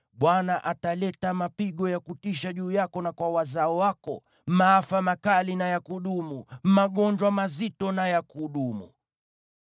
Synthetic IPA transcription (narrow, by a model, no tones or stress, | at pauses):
ɓwanaʔatalɛtamapiɠɔjakutiʃaʄuːjakɔnakwawazaɔwakɔ̰ | maafamakalinajakuɗumumaɠɔɲd͡ʒwamazitɔnajakuɗumṵ